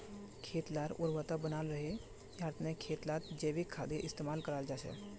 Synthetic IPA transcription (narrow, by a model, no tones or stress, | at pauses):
kʰeːt̪laɾʊɾʋət̪əbənaːlɾəɦe | jaːɾt̪nẽkʰeːt̪lat̪d͡ʒeːbikʰaːd̪eʔɪst̪eːmaːlkəɾaːld͡ʒaːsɛ̰